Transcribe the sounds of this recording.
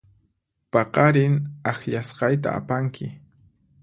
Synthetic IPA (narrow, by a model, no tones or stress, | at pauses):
pɑqɑɾɪnaxʎasqɑjt̪a̰a̰paŋkʰɪ